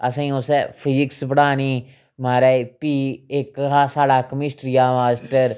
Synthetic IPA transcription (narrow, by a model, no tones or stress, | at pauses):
əsãĩːʊsepʰɪd͡ʒɪksbəɽaːniː | maːɾɛːpiːɪkɦaːsaːɽaːkəmɪsʈɾijaːmaːsʈəɾ